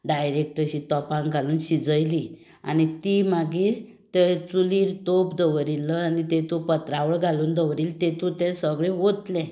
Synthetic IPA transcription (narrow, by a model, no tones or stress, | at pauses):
ɖajɾek̚ʈəɕit̪ɔpãŋɡʱaluːnɕid͡zəjli | a̰nit̪imaɡiː | t̪et͡suliːɾt̪opd̪əʋɾiləanit̪et̪upət̪ɾaʋəɭɡʱaluːnd̪əʋɾiːlt̪ẽt̪ut̪ɛ̃səɡɭeʋot̪lɛ̃